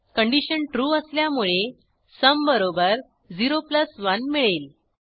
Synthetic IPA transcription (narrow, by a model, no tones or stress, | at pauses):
kəɳɖiɕənʈɾuːəsljamuɭe | səmbəɾobəɾ | d͡ziɾopləsʋənmiɭel